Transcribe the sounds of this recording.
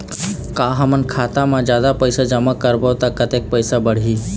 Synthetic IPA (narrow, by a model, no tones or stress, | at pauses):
kaːɦəmənkʰaːt̪amãd͡ʒjaːd̪apəɪsad͡ʒəmakəɾbəːt̪akət̪eːk̚pəɪsabəɽ̤ɦiː